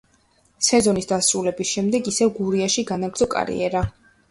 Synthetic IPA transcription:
sɛzɔnisd̪asɾulɛbisʃɛmd̪ɛɡisɛvɡuɾiaʃiɡanaɡɾd̪zɔkʼa̰ɾḭɛɾa

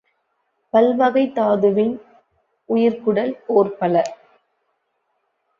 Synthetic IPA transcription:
pɐlʋɐɣɐɪt̪ːaːðɯʋɪn | ʔʊjɪɾkʊɽɐloːrpɐlɐ

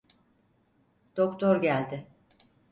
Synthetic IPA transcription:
d̪̥okt̪ʰoɾɟælʲd̪ɪ

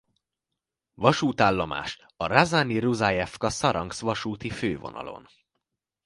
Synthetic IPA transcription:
vɒʃuːt̪aːlːɒma̰ːʃ | ɒrazaːniruzajɛfkɒsɒɾɒŋɡsʋɒʃuːt̪iføːvo̞̰nɒ̰lo̞̰n

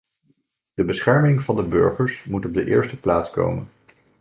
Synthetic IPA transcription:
d̥əbəsχɛɹmɪŋvɑndəbøɹχəɹsmutɔb̚dəʔɪ̰ːɹstəplaːtsko̰wmən

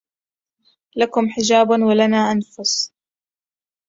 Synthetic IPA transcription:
lakʊmħɪd͡ʒaːbwalanaːʔanfʊs

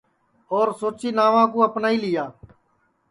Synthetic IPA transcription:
ɔːɾsoːt͡ʃiːnaːʋãːkoːəpnaːiːlɪjaː

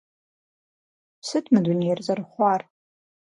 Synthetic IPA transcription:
sɨtʰmɨdʷunejrzarχʷar

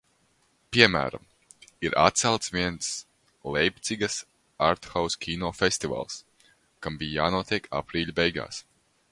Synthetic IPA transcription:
pʲiɛmæ̰ːɾa̰m | iɾʔa̰t̪̚t̪sɛlˠt̪svʲiɛns | lˠɛjpʲt̪siɡɐs | aɾt̪xawskʲʰiːnɔːfest̪iva̰lˠs | kambijjaːnuɔt̪ʲiɛkʰa̰pɾiːlʲbɛjɡa̰ːs

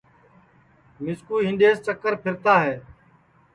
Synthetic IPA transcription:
mɪskuːɦɪ̃nɖ̪eːst͡ʃəkːəɾpʰɪɾt̪aːɦeː

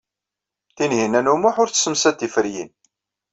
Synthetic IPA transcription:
θinɦinænumʊħʊɾθsəmsæt̪ːifəɾjḭn

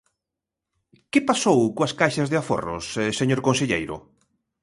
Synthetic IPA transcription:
kɪpasowkoɐskajʃazðeafo̰ro̰seseɲoɾkõnseʎḛjɾʊ̰

